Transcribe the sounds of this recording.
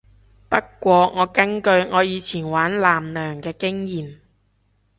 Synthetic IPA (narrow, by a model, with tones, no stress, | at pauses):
pɐ˥kːʷɔː˧ŋɔː˨˧kɐ˥nkɵ˧ɥŋɔː˨˧jiː˨˧t͡sʰiː˨˩nwaː˨˥nlaː˨˩mlœː˨˩ŋkɛː˧kɪ˥ŋjiː˨˩m